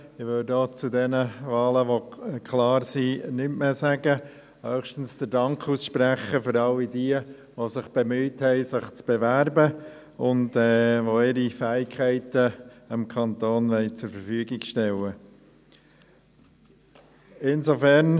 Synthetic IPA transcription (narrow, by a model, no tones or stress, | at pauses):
ɪʋʏldoːt͡sudɛnəʋɑːləʋokʰlɑːɾsinʏmmeːsæɡə | hœχʃtən̩sd̥əɾdɑŋkʰusʃpɾæχəfʏɾɑlːidiə | ʋosɪχb̥emyːthɛɪsɪχt͡sb̥eʋæɾbə | ʊndɛːʋoɪɾifæːɪkʰχæɪtəɪmkʰɑnt̪oːnʋɛɪt͡sʊɾfəɾfyəɡɪɡʃtɛlə | ɪnsofæɾn